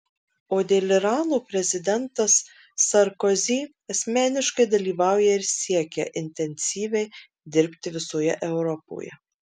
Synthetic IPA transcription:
oːd̪ʲeːlʲɪɾɑːnuːpʲɾʲɛzʲɪd̪ʲɛnt̪ɐsː | ɐɾkɔzʲiː | ɐsʲmʲæːnʲɪʃkɐɪd̪ɐlʲiːʋɑˑʊjɛɪɾsʲiɛkʲɛʔɪnʲt̪ʲɛnʲsʲiːʋʲɛɪ | d̪ʲɪɾʲpʲt̪ʲɪʋʲɪsoːjɛʔɛʊɾɔpo̰ːjɛ̰

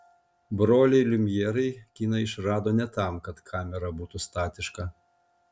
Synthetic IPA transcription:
bɾoːlʲɛɪlʲʊmʲjɛːɾɐɪkʲiːnɐɪʃɾɑːd̪oːnʲɛt̪ɑˑmkɐt̪kʰɑːmʲɛɾɐbuːt̪ust̪ɑːt̪ʲɪʃkɑ

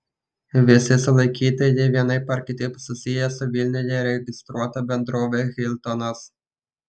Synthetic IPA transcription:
ʋʲɪsʲɪsʊlˠɐɪkʲiːt̪ɐjɛʋʲiɛnɐɪpɐɾʲkʲɪt̪ʲɪpsʊsʲɪjɛsʊʋʲilʲnʲɪjʲɛɾʲɛɡʲɪst̪ɾuɔt̪ɐbʲɛnd̪ɾoːʋʲeɣʲɪlʲt̪ɔnɐs

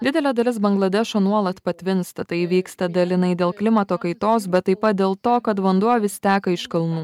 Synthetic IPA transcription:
d̪ʲɪd̪ʲɛlʲɛːd̪ɐlʲɪsbɐŋɡlˠɐd̪ʲɛʃoːnuɔlˠɐt̪pɐt̪ʲʋʲɪnst̪ɐt̪ɐɪʋʲiːkst̪ɐd̪ɐlʲɪnɐɪd̪ʲeːlˠklʲɪmɐt̪oːkɐɪt̪oːsbʲɛt̪ːɐɪpɐt̪̚d̪ʲeːlˠt̪oːkɐt̪ʋɐnd̪uɔʋʲɪst̪ʲæːkɐɪʃkɐlˠnuː

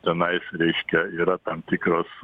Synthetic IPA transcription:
t̪ʲɛnɐɪsɾʲɛɪʃʲkʲɛiːɾɐt̪ɐmt̪ʲɪkɾoːs

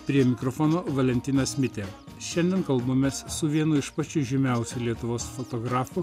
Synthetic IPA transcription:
pʲɾʲiɛmʲɪkɾofonoːʋɐlʲɛnʲt̪ʲɪnɐsʲmʲɪt̪ʲeː | ʃʲɛnʲd̪ʲɛnkɐlˠbomʲɛssʊʋʲiɛnʊɪʃpɐt͡ʃʲʊʒʲɪmʲæˑʊsʲulʲiɛt̪ʊʋoːsfot̪oːɡɾɑːfʊ

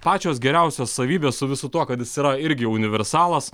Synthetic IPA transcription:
pɑːt͡ʃʲoːsɡʲɛɾʲæˑʊsʲoːssɐʋʲiːbʲeːssʊʋʲɪsʊt̪uɔkɐt̪jɪsiːɾɐɪɾʲɡʲɪʊnʲɪʋʲɛɾʲsɑːlˠɐs

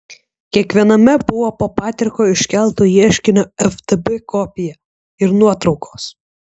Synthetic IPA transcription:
kʲiɛkʋʲiɛnɐmʲɛbʊʋoːpoːpɑːt̪ʲɪɾkoːɪʃʲkʲɛlˠt̪ujiɛʃʲkʲɪnʲoɛft̪ebɛkɔpʲɪjɛ | ɪɾnuɔt̪ɾɒʊkʰoːs

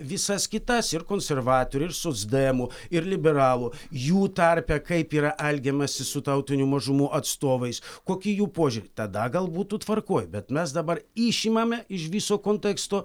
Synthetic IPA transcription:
ʋʲɪsɐskʲɪt̪ɐsɪrkoːnʲsʲɛrʋɑːt̪oːɾʲɪɪɾsoːzd̪ɛɛmʊɪɾlʲɪbʲɛɾɑːlˠujuːt̪ɐɾʲpʲɛkɐɪpiːɾɐʔɛlʲɡʲɛmɐsʲɪsʊt̪ɐʊt̪ʲɪnʲumɐʒʊmuʔɐt̪st̪oːʋɐɪskoːkʲɪjuːpoːʒʲuːɾʲɪt̪ɐd̪ɐɡɐlˠbuːt̪ut̪ʋɐrkoːjbʲɛt̪mʲɛsd̪ɐbɐɾɪʃʲimɐmʲɛɪʃʋʲiːsoːkoːnʲt̪ʲɛkst̪oː

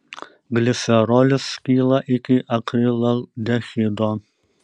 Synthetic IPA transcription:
ɡlʲɪsʲɛɾoːlʲɪskʲiːlˠɐʔɪkʲɪʔɐkɾʲiːlˠɐlˠd̪ʲɛxʲiːd̪oːn

